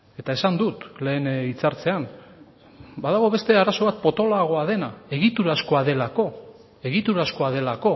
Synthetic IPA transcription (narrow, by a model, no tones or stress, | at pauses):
e̞t̪ae̞sand̪ut̪le̞ːnit͡saɾt͡se̞an | baðaɣ̞o̞βe̞st̪eaɾaso̞βat̪̚po̞t̪o̞laɣ̞o̞aðe̞nae̞ɣit̪uɾasko̞aðe̞lako̞ | e̞ɣit̪uɾasko̞að̞e̞lako̞